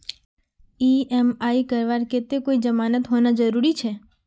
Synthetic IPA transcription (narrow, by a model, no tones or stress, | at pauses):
iɛmaikəɾʋaɾket̪ekoid͡ʒəmanət̪ɦonad͡ʒəɾuɾit͡ʃʰe